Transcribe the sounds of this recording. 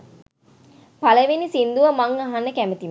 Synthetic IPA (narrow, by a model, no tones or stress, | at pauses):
pɐləʋenisind̪uʋɐmɐŋɐɦanːəkæmət̪im